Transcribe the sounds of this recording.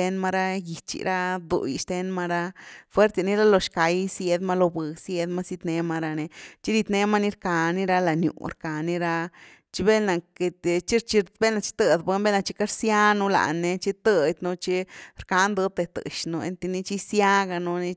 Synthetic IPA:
e˦nma˧ɾa˦ji˧t͡ʃḭ˧ɾa˦d̪ṵ˨ji˧ʃt̪e˧nma˧ɾa˧fwe˦ɾt̪a˧ni˦ɾa˦lo˧ʃka˧jsje˧d̪ma˧lo˧bɨ˨sje˧d̪ma˦si˧t̪ne˧ma˧ɾa˧ne˧t͡ʃi˦ɾi˧t̪ne˧˦ma˦ni˦ɾka˧ni˦ɾa˧la˧njṵ˧˨ɾka˨ni˧ɾa˧ | t͡ʃi˧be˦lna˨ke˧t̪t͡ʃi˦ɾt͡ʃi˧be˦lna˧t͡ʃi̥˦t̪ə˧d̪be˧˦nbe˦na˧t͡ʃi˧˦ka˦ɾsja˦nu˧la̰˧˨nːe˧t͡ʃi˦t̪ə˧t̪ʲnu˧t͡ʃi˦ɾka˧˦nd̪ɨ˧˦t̪e˧t̪ɨ̰˧˨ʃno˧ḛ˧nt̪e˧ni˧˦t͡ʃi˦sja˦ɡa˧nu˧ni˧

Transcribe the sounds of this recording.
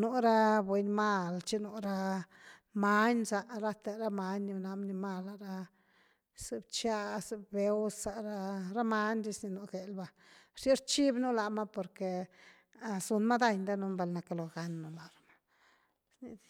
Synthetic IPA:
nu˧ɾa˦bwe˧ɲma˦˧lt͡ʃi˦nu˧˨ɾa˦ | ma˧˦ɲsa˧ʔɾa˦t̪e˧ɾa˦ma˧ɲni˧na˧˦mni˧ma˧la˨ɾa˧ | se˧bt͡ʃa˦se˧be˨˦wsa˧ɾa˦˧ɾa˦ma˧˦nɾi˦sni˧nu˧ɡe˨lba˧ | ɾ̥i˦ɾt͡ʃi˦bnu˦la˨ma˦po˧ɾke˨ | a˧˨su˧nma˦d̪a˧jnd̪a˦nu˧mba˧lna˧ka˧lo˨ɡa˧nːo˧la˨ɾa˨ma˦ | sni˧d̪

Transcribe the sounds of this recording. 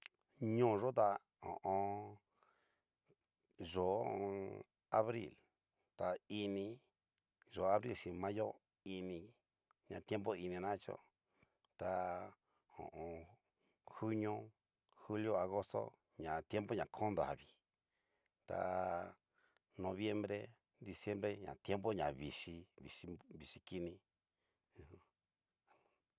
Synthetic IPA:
ɲõ˦˨˧ʐo˦t̪a˧ | õ̰˨ʔõ˧ | ʐo˨ | a˧βɾḭ˦˨l | t̪a˧i˧nĩ˧ | ʒo˨˧a˧βɾi˦˨lʃĩ˧mã˦jo˦ | i˧nĩ˧ | ɲã˧t̪je˦mpo˦i˧nĩ˧nã˦t͡ʃo̰˦ | t̪a˧ | õ̰˨ʔõ˨˧ | xu˦ɲõ˦ | xu˦ljo˦a˧ɣo˦st̪o̰˦ | ɲã˨t̪je˦mpo˦ɲã˨kʰõ˦nd̪a̰˨βi˨ | t̪a̰˧˨ | nõ˧βje˦mbɾe˦ | d̪i˧sje˦mɾe˦ɲã̰˨t̪je˦mbo˦ɲã˨βi˨ʂi˧βi˨ʂi˧βi˨ʂi˧ki˦nĩ˧˨

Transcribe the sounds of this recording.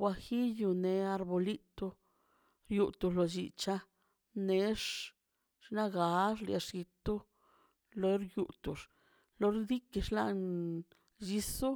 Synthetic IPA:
wʷa˧xi˦ju˧ne˧a˧ɾbo˧li˦t̪o˧ | ɾju˧t̪u˧ʐlo˧d͡ʒḭ˨t͡ʃa˦ | ne˨˦ʂ | ʂna˦ɡa˨˦ʂla̰˧ʂɡi˧t̪u˦ | lo˧˦ɾju˨˧t̪u˨ʂ | lo˧ɾd̪i˦ki˧ʂla̰˧n | d͡ʒi˧su˦

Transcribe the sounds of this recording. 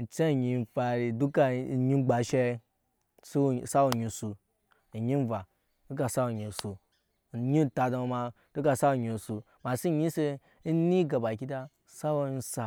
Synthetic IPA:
n̩˨t͡ʃe˦˨ɲi˧n˦fa˨ɾi˨du˦ka˨ɲi˦ɡ͡ba˨ʃe˦ | si˦˨sa˦wo˨ɲi˨su˨ | ɲi˦n˦va˨ | du˦ka˨sa˦wo˨ɲi˨su˨ | ɲi˦˨ta˨da˨m˨˦ma˧ | d̥u˦ka˦˨sa˦u˨ɲi˨su˨ | ma˨si˦ɲi˦se˦ | ni˦ɡa˨ba˨kʲi˦da˦˨ | sa˦wo˦n̩˦sa˨

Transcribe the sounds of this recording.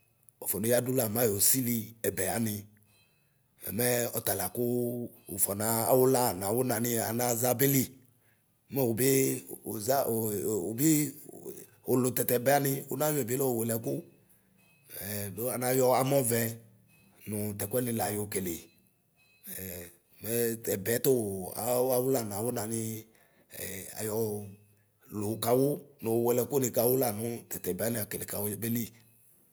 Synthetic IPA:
ɔ˨fɔ˨no˨˦ja˦du˦la˨mã˦jo˨si˦li˦ɛ˨bɛ˨a˨nɪ˧ | ɛ̰˨mɛ˦ɔ˨t̪a˨la˨kʊ˦ | o˨fɔ˨nã˨a̰˨wʊ˦la˦˨n˨a˨wo˦nã˨nɪ˦a̰˨nã˦za˦bɪ˦li˦ | mɛ˦wo˨bɪ˦˨za˦˨o˨bɪ˦ | o˨lʊ˨t̪ɛ˨t̪ɛ˨bɛ˨˦a˦nɪ˦wo˨˦nã˦jɔ˦ɛ˨blɔ˦wo˨we˨lɛ˨kʊ˦ | ɛ˨do˦a˨nã˨˦jɔ˦a˨mɔ̃˦vɛ˨ | nʊ˨t̪ɛ˨kʷɛ˦nɪ̃˧la˨jo˨ke˨le˨ | mɛ˦t̪ɛ˨bɛ˨˦t̪ʊ˦˨a̰˨˦a˦wʊ˦la˨n˨a˨wʊ˦nã˨nɪ˦ | ɛ˨a̰˨jɔ˨ | lʊ˨ka˨wʊ˦nʊ̃˨wwɛ˨lɛ˨kʊ˦nɪ˨ka˨wʊ˦la˨nʊ̃˦t̪ɛ˨t̪ɛ˨bɛ˨˦a˦nɪ˨˦a˨ke˨le˨ka˨wbe˦li˦

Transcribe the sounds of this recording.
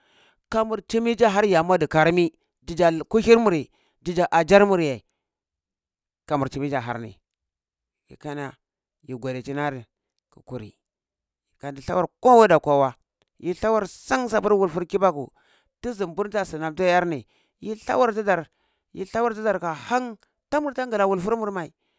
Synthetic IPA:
ka˨mu˨ɾt͡ʃi˦mi˦d͡ʒa˦ɦa˦ɾja˨ma˦di˨ka˨ɾmi˦ | d͡ʒi˦d͡ʒa˨ku˦hi˦ɾmu˨ɾi˨ | d͡ʒi˦d͡ʒa˨ʔa˨d͡ʒa˦ɾmu˨ɾja˨i˨ | ka˨mu˨ɾt͡ʃi˨mi˦d͡ʒa˨ɦa̰˦ɾnḭ˨ | jḭ˨ka˦na˨ | ji˨ɡʷa˨di˨t͡ʃi˦na˦ɾi˨ | ku˨ku˨ɾḭ˨ | ka˨ndi˨ɬa˦wa˨ɾko˦wa˦da˨kʷa˨wa˦ | ji˦ɬa˦wa˦ɾsa˦ŋsa˨bu˦ɾwu˨lfu˦ɾki˦ba˦kṵ˨ | ti˦zi˨mbu˦ɾta˦˨si˨na˨b̚ta˦ja˦ɾni˨ | ji˦ɬa̰˦wa˦ɾti˦da˨ɾ | ji˦ɬa˦wa˦ɾti˦da˨ɾka˨ha˦ŋ | ta˦mu˨ɾta˦ŋɡa˨la˨wu˨lfu˦ɾmu˦˨ɾma˨i˨

